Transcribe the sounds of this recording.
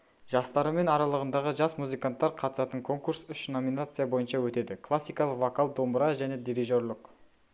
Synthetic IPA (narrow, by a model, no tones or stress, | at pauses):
ʒ̥ɑst̪ɑɾəme̞nɑɾɑlˠəʁənd̪ɑʁəʒɑsmuzɨjkant̪ːɑɾqʰɑt̪ə̥sɑt̪əŋkʰo̞ŋkuɾsʏʃno̞minat̪sɨjabo̞jənʃɑwɵt̪e̞d̪ɪkʰlˠasʲːijkɑlˠəqvokalˠd̪o̞mbəɾɑʒæne̞d̪iɾiʒo̞ɾlˠəq